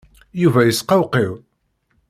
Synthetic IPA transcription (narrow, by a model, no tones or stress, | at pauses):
juvæjəsqɑwqiw